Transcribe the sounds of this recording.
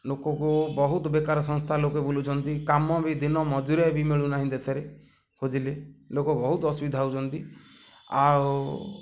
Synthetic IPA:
lokɔkubɔɦut̪ɔbekaɾɔsɔŋst̪ʰalokebolut͡ʃʰɔnt̪ikamɔbid̪inɔmɔd͡ʒuɾebimeɭunaɦĩd̪et̪ʰeɾe | hud͡ʒilelokɔbɔɦut̪ɔɔsubid̪ʱawt͡ʃʰɔnt̪i | a̰w

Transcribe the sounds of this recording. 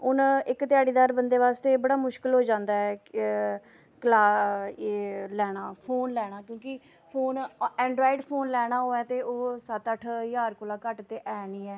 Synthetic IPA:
ʊnɪkt̪ɪjaːɽiːd̪aːɾbənd̪eːʋaːst̪eːbəɽaːmʊʃkəlɦoːd͡ʒãːnd̪aːɛː | kəlaː | lɛːɽ̃aːpʰoːnlɛːɽ̃aːkjõːkɪ | pʰoːnɛ̃ːɳɖɾaːiːɖpʰoːnlɛːɽ̃aːɦoːɛːt̪eːʔoːsət̪əʈʰjaːɾkʊːlaːkəʈt̪eːʔɛːniːɛː

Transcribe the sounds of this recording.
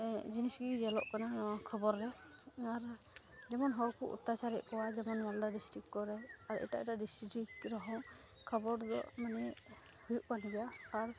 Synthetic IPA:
d͡ʒiniskid͡ʒɛlɔ̰ʔkananɔkʰəbɔɾːɛaɾ | d͡ʒɛmɔnɦɔwkuʔṵt̪ːat͡ʃaɾɛʔ̚kɔwad͡ʒɛmɔnmald̪adisʈikkɔɾɛaɾɛ̰ʈaʔɛʈaɖisɾikɾɔɦɔ̃ | kʰəbɔɾd̪ɔ̰ʔmanɛ | hujuʔkanɡɛjaɾ

